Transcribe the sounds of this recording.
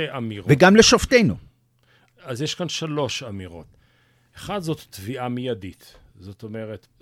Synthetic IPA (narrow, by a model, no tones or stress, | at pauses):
eʔamiʁveɡamleʃoft̪ejnu | azjeʃkanʃalo̞ʃamiʁo̞̰t̪ | eχad̪zo̞t̪ːviʔamijadit̪ | zo̞to̞meʁet̪